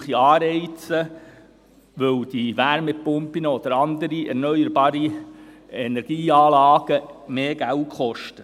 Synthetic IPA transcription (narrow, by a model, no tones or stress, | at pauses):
χiɑːɾɛɪt͡sə | ʋɵwd̥iʋæɾmɛpʊmpinəɔd̪əɾɑnd̪əɾiʔɛ̰ɾnœjəɾbɑːɾi | ɛnɛɾɡ̥iːɑːlɑːɡ̥əmeːɡ̥æltχɔʃtə